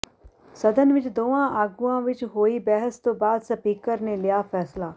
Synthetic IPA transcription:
sɐd̪ənʋɪt͡ʃd̪oːãʔaːɡuãːʋɪt͡ʃɦoːibɛɦəst̪oːbaːd̪sɐpɪkːəɾnelɪjafʰɛːslaː

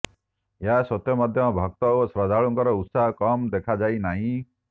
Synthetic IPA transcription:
jasɔt̪jɔmad̪ʱjɔbʱɔk̚t̪ɔosɾɔd̪aɭɔŋkɔɾɔut̪saɦɔkɔmd̪ekʰad͡ʒajnaɦĩ

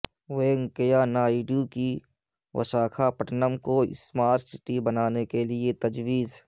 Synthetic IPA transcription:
weːŋkəjanaːiɖjuki | wə̰ʃaːkʰapəʈnəmkoɪ̰smaːɾsɪʈibənaːnekeliet̪əd͡ʒwiːz

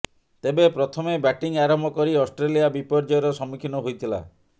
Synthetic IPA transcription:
t̪ebepɾɔt̪ʰɔmebɛʈiŋaɾɔmʱɔkɔɾiɔsʈɾelijabipɔɾd͡ʒɔjɔɾɔsɔmikʰinɔɦojt̪ʰila̰

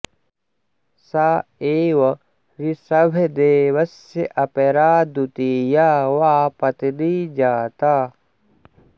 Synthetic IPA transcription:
saːeːwɐ | ɾisɐbʱed̪eːʋɐsjeʔɐpeɾaːd̪ut̪iːjaːwaːpɐt̪iniːd͡ʒaːt̪aː

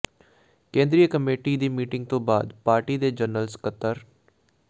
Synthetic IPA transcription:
kẽːnd̪ɾijəkəmeːʈiːd̪iːmiːʈɪ̃ŋɡ̚t̪õːbaːd̪paːɾʈiːd̪eːd͡ʒənəlskət̪ːəɾ

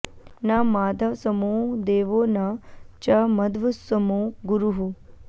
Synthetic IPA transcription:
namaːd̪ʱasəmud̪eːʋonat͡ʃaməd̪ʋəsəmuɡʊɾuɦu

